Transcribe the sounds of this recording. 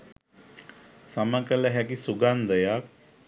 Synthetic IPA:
sɐməkəlɐɦɛk̬isuɡand̪əjak

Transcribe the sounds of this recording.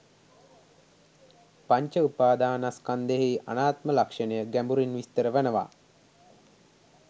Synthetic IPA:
paɲt͡ʃəupaːd̪aːnaskand̪eɦiʔa̰naːt̪məlakʂənəjəɡæmbuɾinʋist̪əɾəʋənəʋa̰

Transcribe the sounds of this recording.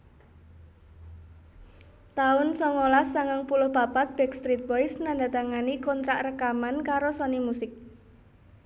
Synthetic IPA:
t̪aʊnsɔŋolasaŋaŋpulʊhb̥a̤pat̪̚b̥ɛkst̪ɾit̪̚bɔjsnandat̪aŋanikɔnt̪ɾaʔrəkamankaɾosɔnimusɪk̚

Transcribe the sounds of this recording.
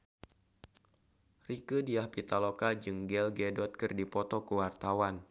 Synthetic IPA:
rikədiahpit̪alokad͡ʒɨŋɡɛlɡɛdɔt̪̚kɨrdipɔt̪ɔkuwart̪awan

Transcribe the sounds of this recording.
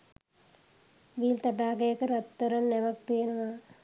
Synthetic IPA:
ʋiːlt̪ɐʈaːɡejəkəɾɐt̪ːɐɾɐnːɛʋɐk̚t̪ijenəʋaː

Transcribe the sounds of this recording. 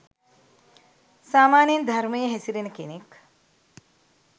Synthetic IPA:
saːmaːnjend̪ʱɐɾməjəɦɛsiɾenəkenek

